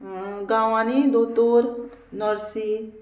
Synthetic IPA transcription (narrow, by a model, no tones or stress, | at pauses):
ɡaːwaːnid̪ot̪oːɾ | nɔɾsi